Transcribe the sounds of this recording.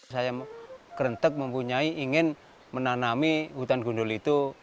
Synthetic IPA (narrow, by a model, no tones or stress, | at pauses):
sajakəɾənt̪ək̚məmpuɲaiʔiŋɪn | mənanamiɦut̪anɡṳɳdʊlit̪u